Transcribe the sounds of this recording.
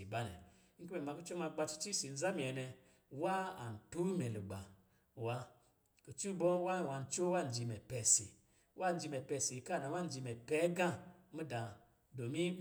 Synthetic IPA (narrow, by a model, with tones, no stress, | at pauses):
i˨ba˦nɛ̰˨˦ | ku˦mɛ˨ma˧ku˦t͡ʃɔ˦ma˧ɡ͡ba˧t͡ʃu̥˧t͡ʃi˦si˨n̩˨˦za˦mi˨ɛ˨nɛ˧ | wa˦a˨n̩˨tu˦mɛ˨lu˨ɡ͡ba˨ | wa˨˧ | ko˨t͡ʃu˦bɔ˦wa˦˨wa˧n̩˨t͡ʃo˦wa˦˨n̩˨d͡ʒi˧mɛ˨pɛ˨sḭ˨ | wʔa˦˨n̩˦d͡ʒi˧mɛ˨pɛ˧˨si˨ka˦˨na˨wa˦n˦d͡ʒi˧mɛ˨pɛ˨˦ɡã˦˨˦mu˦da˨ | do˨mi˦